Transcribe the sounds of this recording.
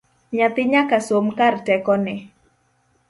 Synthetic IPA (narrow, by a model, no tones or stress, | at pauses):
ɲat̪ɪɲakasomkardɛkɔnɪ